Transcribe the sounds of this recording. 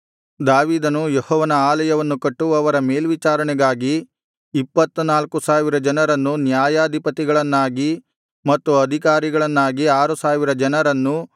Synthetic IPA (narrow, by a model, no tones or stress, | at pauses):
d̪aːʋiːd̪ɐnujɔhɔːʋɐnɐaːlɐjɐʋɐnːukɐʈːuɐʋɐɾɐme̞ːlʋit͡ʃaːɾɐɳɛɡaːɡiː | pːɐt̪ːunaːlkusaːʋiɾɐd͡ʒɐnɐɾɐnːunjaːjaːd̪ʱipɐt̪iɡɐɭɐnːaːɡi | mɐt̪ːuɐd̪ʱikaːɾiɡɐɭɐnːaːɡiaːɾusaːʋiɾɐd͡ʒɐnɐɾɐnːu